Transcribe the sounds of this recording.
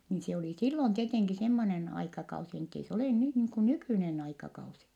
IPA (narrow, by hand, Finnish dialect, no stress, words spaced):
niːn se oli silːon tieteŋki semːonen ɑikɑkɑusi n etːei se oleˑ nyh niːŋ ku nykyˑnen ɑikɑkɑusi